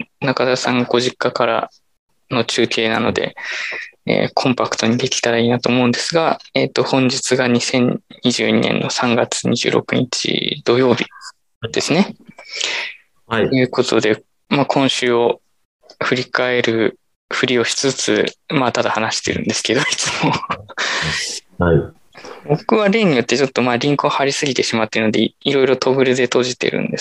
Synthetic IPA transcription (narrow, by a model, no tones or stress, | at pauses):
nakad̪asãŋɡaɡo̞ʑikːakaɾa̰ | no̞t͡ɕɨːkʰe̞ːnano̞d̪e̞̰ | ḛːkʰõ̞mpakɯ̟̥t̪o̞ɲ̟id̪e̞kʲi̥t̪aɾaiːnat̪o̞ːmo̞ɯ̃nd̪e̞sɨɡaet̪ːo̞hõ̞ɲ̟d͡ʑit͡sɨɡaɲ̟isẽ̞ɲ̟ɲiʑɨːɲ̟ḭnẽ̞̰nːo̞sãŋɡat͡sɨ̥ɲiʑɨ̰ːɾo̞̰kɯ̟ɲ̟it͡ɕḭd̪̥o̞jo̞ːbʲi | d̪̥e̞sɨne̞ | ojɯ̟ːko̞t̪ʰo̞d̪e̞ | maːkʰõ̞ɰ̃ɕɨːo̞ | ɸɯ̟ɾʲikae̞ɾɯ̟ | ɸɯ̟ɾʲio̞ɕi̥t͡sɨt͡sɨ̰maːt̪ad̪ahanaɕi̥t̪e̞̰ɾɯ̟̰̃nd̪e̞sɨ̥ke̞d̪o̞it͡sɨmo̞ | bo̞kɯ̟βaɾe̞ːɲ̟ːijo̞t̪ːe̞t͡ɕo̞t̪ːo̞maːɾʲĩŋkɯohaɾʲisɨɡʲit̪e̞ɕimat̪ːe̞ɾɯ̟nod̪e̞iɾo̞iɾo̞t̪ʰo̞ɡɯ̟ɾɯ̟d̪e̞t̪o̞ʑit̪e̞̰ɾɯ̟̰̃nd̪e